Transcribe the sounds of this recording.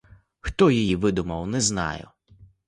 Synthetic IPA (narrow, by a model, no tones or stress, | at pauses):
xt̪ɔjijiʋɪd̪ʊmɐwnɛznɑ̰jʊ̰